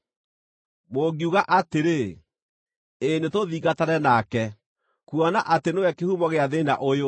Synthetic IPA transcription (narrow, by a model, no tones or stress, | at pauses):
moɡiuɣaʔateɾe | enetoðiːɣataɾɛnakɛ | kuɔnaʔatenewɛkehumɔɣeaðena̰ʔojo